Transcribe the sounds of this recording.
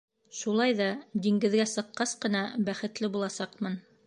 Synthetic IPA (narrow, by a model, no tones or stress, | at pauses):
ʃulˠɑjðɑd̪iŋɡɘ̆ðɡæsɤ̆qːɑsqɤ̆nɑbæχɘ̆t̪lɘbulˠɑsɑqmɤn